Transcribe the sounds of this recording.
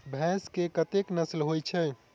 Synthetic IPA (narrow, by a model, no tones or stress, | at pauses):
bʱɛ̃skekət̪eknəslɦojt͡ʃʰɛ